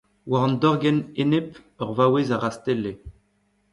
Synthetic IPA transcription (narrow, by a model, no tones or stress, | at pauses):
waʁɑ̃nd̪ɔʁɡɛnenep | œʁvawezaʁast̪ele